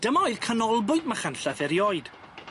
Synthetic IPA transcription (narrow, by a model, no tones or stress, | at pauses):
d̥əmɔoɨðkʰənɔlˠbʊɨdmaχanɬaθɛɾjɔːɨd̥